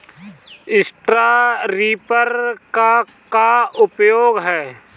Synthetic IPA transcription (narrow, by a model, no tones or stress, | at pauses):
ɪsʈɾaɾiːpəɾka | kaʊpjoːɡɦɛː